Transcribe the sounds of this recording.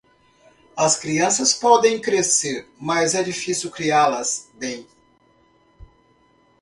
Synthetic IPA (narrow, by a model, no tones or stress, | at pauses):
ɐskɾiɐ̃sɐspɔd̪ẽj̃kɾeseɾmɐzɛd͡ʒifisiwkɾialɐzbẽj̃